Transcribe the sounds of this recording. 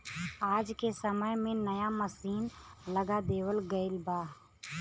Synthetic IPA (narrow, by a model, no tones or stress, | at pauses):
aːd͡ʒkesəməjmẽnəjaməsiːnləɡad̪eːwəlɡəɪlbaːɦ